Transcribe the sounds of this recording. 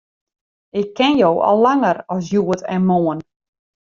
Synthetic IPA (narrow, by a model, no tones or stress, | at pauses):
ɪkʰːɪnjowʔɔ̰lˠːaŋəɾɔs̬juətɛ̰nmoːən